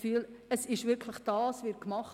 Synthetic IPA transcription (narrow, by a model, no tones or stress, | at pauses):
fyːləsɪʃʋɪɾkʰləχd̥ɑːsʋɪɾkmɑχ